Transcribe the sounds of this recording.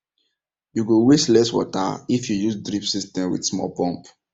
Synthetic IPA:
juɡoweslɛswɔ̰ta̰ifjujusdɾipsistɛ̃mwḭdsmɔ̰pɔ̃mp

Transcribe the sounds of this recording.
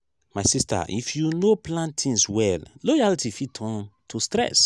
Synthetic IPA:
majsistʰa̰ʔḭfjunoplãntʰĩnswɛllojalitifitʰɔ̃ntʰostɹɛ̰s

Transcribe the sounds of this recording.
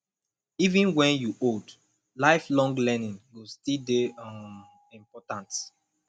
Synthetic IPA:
ivĩnwɛ̃njuʔod | laɪflɔ̃ŋɡlɛnĩŋwilstildeam | ĩmpɔtãnt

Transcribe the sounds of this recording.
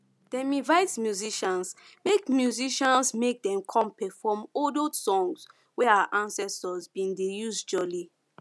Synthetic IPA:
d̥ɛ̃mĩvaɪtmjuziʃãns | mekmjuziʃãnsmek̚dɛ̃mkʰɔ̃mpɛfɔmɔdosɔ̃ŋs | wɛaaʔãnsɛstɔzbĩndejuzd͡ʒɔli

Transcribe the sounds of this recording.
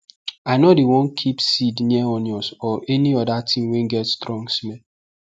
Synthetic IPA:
aɪnodewɔ̃nkʰipsidniɛɔ̃njɔsɔʔɛniɔdatʰĩmwɛ̃nɡɛtstɾɔ̃ŋɡsmɛ̃n

